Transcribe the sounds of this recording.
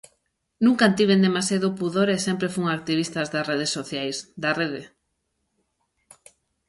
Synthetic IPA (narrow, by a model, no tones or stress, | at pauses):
nũŋkant̪iβ̞end̪emasjaðʊpuðoɾesɛmpɾefuŋak̚t̪iβist̪ɐzðareðesoθjajsd̪areðe